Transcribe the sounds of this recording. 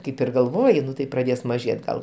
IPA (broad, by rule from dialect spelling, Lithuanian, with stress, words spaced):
ˈkɐɪp ɪr ɡɐlˠˈʋoːjɪ ˈnʊ tɐɪ prɐˈdʲeːs mɐˈʒʲeːt ɡɐlˠ